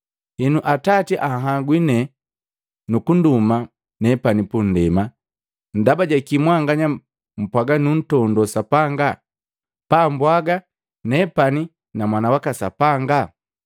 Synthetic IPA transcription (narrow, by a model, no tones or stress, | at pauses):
hinuʔatatiʔaɦaɡwinɛ | nukunduma | nɛpanipun̩dɛma | n̩dabaɟakimwaŋɡaɲa | m̩pwaɡanun̩tɔndɔsapaŋɡa | pambwaɡa | nɛpani | namwanawakasa̰paŋɡa